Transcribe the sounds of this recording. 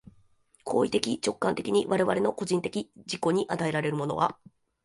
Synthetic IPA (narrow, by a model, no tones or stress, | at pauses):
kʰo̞ːit̪e̞kʲit͡ɕo̞kːãnt̪e̞kʲiɲ̟iβaɾe̞βa̰ɾe̞no̞ko̞ʑĩnt̪e̞kʲid͡ʑiko̞ɲ̟iʔat̪ae̞ɾaɾe̞ɾɯ̟mo̞no̞βa̰